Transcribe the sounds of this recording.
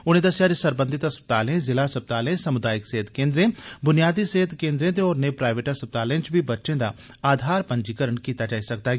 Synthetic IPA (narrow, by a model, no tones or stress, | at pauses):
ʊn̤ɦẽd̪ɐsjaːd͡ʒsɐɾbə̃nd̪ʱɪt̪ɐspə̥t̪aːlẽzɪlasəpət̪aːlẽsɐmʊd̪aːjɪkseːɦət̪kẽːnd̪ɾẽbʊnijaːd̪iseːɦət̪kẽːnd̪ɾẽd̪ẽɔːɾnepɾaːɪʋeːʈəspət̪aːlẽt͡ʃbʱibɐtːʃẽd̪a̰ | aːd̪ʱaːɾpɐ̃ɲd͡ʒikəɾəɳkiːt̪ad͡ʒaːisɐk̚t̪a